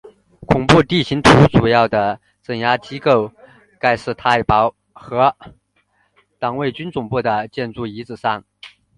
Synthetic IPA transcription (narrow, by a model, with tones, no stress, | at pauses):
kʰʊ˨˩ŋpu˥˧t̪i˥˩ɕi˧˥ŋt̪ʰu˧˥t͡su˨˩jɑ˥˩ʊd̪ə˩ | t͡sə˨˩ŋja˥t͡ɕi˥ko˥˩ʊ | ka˥˧ɪʂɻ̩˥˧t̪ʰa˥˩ɪpɑ˧˥ʊ | xɤ˧˥ | t̪ɑ˨˩ŋwe˥˩ɪt͡ɕy˥nt͡sʊ˨˩ŋpu˥˩d̪ə˩t͡ɕjɛ˥˧nt͡su˥˩i˧˥t͡sɹ̩˨˩ʂɑ˥˩ŋ